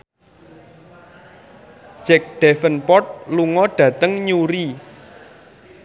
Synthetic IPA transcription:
d͡ʒ̥ɛk̚d̪̥ɛfənpɔt̪̚luŋɔɖ̥ä̤t̪əŋɲuɾi

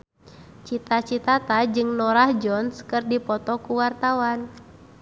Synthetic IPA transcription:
t͡ʃit̪at͡ʃit̪at̪ad͡ʒɨŋnɔɾahd͡ʒɔnskɨrdipɔt̪ɔkuwart̪awan

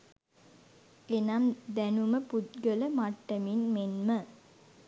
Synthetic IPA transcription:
enamd̪ænuməput̪ɡələmaʈːəminmenmə

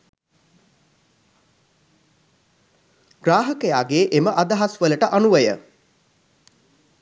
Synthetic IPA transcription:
ɡ̥raːɦəkəjaːɡeːʔeməʔad̪aɦasʋələʈəʔanuʋəjə̰

